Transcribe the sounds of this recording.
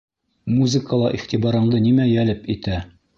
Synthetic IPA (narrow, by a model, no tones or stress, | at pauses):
muzɨkəlˠɑʔiχt̪ibɑɾɤ̆ɴd̪ɤnimæjælɘpit̪æ